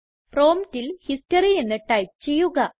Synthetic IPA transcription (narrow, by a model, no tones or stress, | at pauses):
pro̞ːmtilhistɐrie̞nːɨʈɐjp̚t͡ɕe̞jːuɣɐ